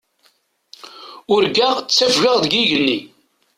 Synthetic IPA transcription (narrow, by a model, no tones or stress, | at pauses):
ʊɾɡæʁt͡sːæfʝəʁðɡiʝənːi